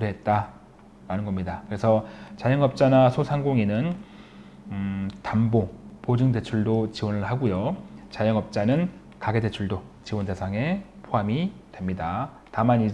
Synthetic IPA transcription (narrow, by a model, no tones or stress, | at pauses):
ɾiɦet̚t͈a | ɾanɯnɡʌmɲidakɯɾe̞sʰʌt͡ɕajʌŋʌp̚t͡ɕ͈anasʰosʰaŋɡoŋinɯn | tambopod͡ʑɯŋde̞t͡ɕʰuɭdot͡ɕiwʌnɯɭhaɡojot͡ɕajʌŋʌp̚t͡ɕ͈anɯn | kaɡe̞de̞t͡ɕʰuɭdot͡ɕiwʌnde̞sʰaŋe̞pʰoɦamitwe̞mɲida | tamani